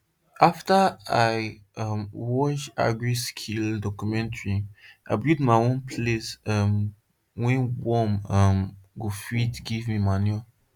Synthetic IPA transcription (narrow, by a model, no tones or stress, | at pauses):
aftaaɪ | ʌmwɔt͡ʃa̰ɡɹiskʰildɔkumɛ̃ntɹia̰ɪbidmaɪõnpʰlesʌm | wɛ̃nwɔmʌmɡofitɡivmimaniɔ